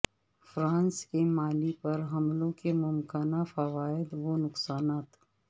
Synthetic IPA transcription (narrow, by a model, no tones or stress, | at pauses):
fɾãːnskemaːlipɐɾɦɐmlõkemʊmkənafɐʋaːɪd̪ʋonʊqsaːnaːt̪